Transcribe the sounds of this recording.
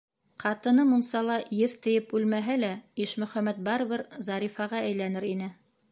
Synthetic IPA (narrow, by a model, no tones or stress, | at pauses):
qɑt̪ɤ̆nɤmunsɑlˠɑjɘðt̪ɘ̆jɘpʉlmæɦælæiʃmɵ̆χæmæt̪̚bɑɾɤ̆βɘɾzɑɾifɑʁɑæjlænɘɾinɘ